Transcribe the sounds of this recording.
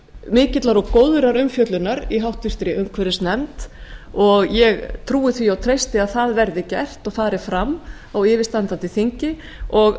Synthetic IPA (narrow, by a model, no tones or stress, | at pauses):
mɪːcɪt̪laɾɔɣkoːwðʏɾaɾʏmfjœt̪lʏnaɾiɦawht̪ɪr̥t̪ɾɪʔʏmkʰvɛɾɪsnɛmt̪ɔɣjɛɣt̪ʰɾuːɪθviawt̪ʰɾejst̪ɪaðθaðvɛɾðɪcɛr̥t̪ɔɣfaːɾɪfɾamː | awɪːvɪ̥st̪ant̪at̪ɪθiɲcɪ | ɔɣ